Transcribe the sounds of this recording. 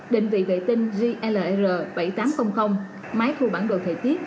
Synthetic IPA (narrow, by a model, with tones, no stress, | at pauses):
ɗï˨˩ŋ̟vḭ˧˨vḛ˧˨t̪i˧ŋ̟zi˧ʔɛ˧ləː˨˩ʔzəː˨˩ɓa˧˩jt̪aː˨˦mxə˧wŋ͡mxə˧wŋ͡m | maː˨˦jt̪ʰu˧˩ɓaː˧˩nɗo̰˧˨t̪ʰə̰˨˩jt̪i˦˥ət̚